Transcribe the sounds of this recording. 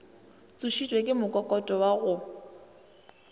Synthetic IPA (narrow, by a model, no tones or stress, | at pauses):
t͡sʼuʃitʼwekʼɪmʊkʼɔkʼɔtʼɔwaɣʊ